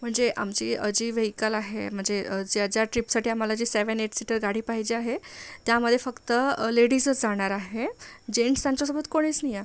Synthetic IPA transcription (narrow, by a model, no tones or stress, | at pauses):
m̤əɳd͡zeʔa̰mt͡ɕiːə̰d͡ʑiːʋeɦjkəlaɦḛm̤əɳd͡zeəd͡ʑeəd͡ʑjaʈɾipsaʈiːam̤alad͡ʑiːseʋəneʈsiʈəɾɡaɽ̤iːpaɦid͡ʑeaɦet̪jaməd̪ʱːjefəkt̪əleɽiːsət͡sd͡zaɽ̃aɾaɦed͡ʑeɳst̪ãɲt͡ɕosobət̪koɽ̃it͡snija